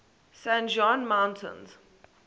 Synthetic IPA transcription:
sæ̃nd͡ʒɔ̃nmãʊ̃ntʰə̰̃nz̥

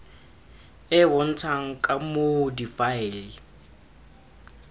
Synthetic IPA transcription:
ɪbɔn̩tʰaŋ̩kʼamodifaɛlɪ

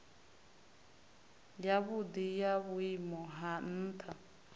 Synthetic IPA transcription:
jaβud̪ijaβʊimɔɦan̩ːtʰa

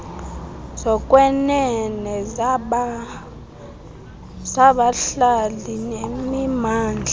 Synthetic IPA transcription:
sɔkʼwɛnɛnɛ | saɓaɬalinemimaːnd͡ɮʱa

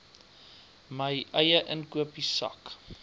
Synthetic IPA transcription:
məjʔɐjəʔənkuəpisɐ̰k

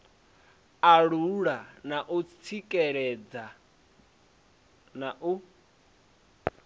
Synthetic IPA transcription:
aɺuɺanaʔut͡sʰikʼɛɺɛd͡za | naʔu

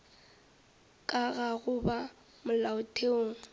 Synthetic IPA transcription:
kʼaɣaɣʊba | mʊlaʊtʼʰeoːŋ̩

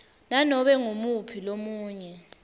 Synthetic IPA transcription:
nanɔɓɛŋumupʰilomuːɲɛ

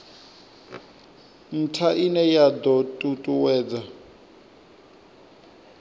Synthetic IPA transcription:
n̩tʰaʔinɛjad̪ɔtʼutʼuwɛːd͡za

